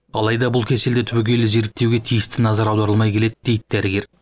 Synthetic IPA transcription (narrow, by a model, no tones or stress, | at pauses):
ɑlˠɑjd̪ɑbʊlˠkʲʰe̞seld̪et̪ʰʏbekʲe̞jlɪze̞ɾɪk̚t̪e̞wɡʲe̞t̪ʰijɪst̪ɪnɑzɑɾɑwd̪ɑɾəlˠmɑjkʲʰe̞le̞d̪ɪd̪e̞jd̪ɪd̪æɾɪɡʲe̞ɾ